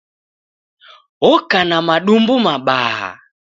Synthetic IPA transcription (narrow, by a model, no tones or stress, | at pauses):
ɔkanamaɗumbumaɓaha̰